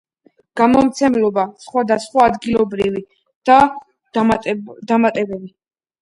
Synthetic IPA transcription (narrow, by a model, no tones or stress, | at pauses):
ɡ̥amɔmt̪sʰɛmlɔbasχwad̪asχwaːd̪ɡilˠɔbɾivi | d̪̥a | d̪amat̪ʼɛbɛvi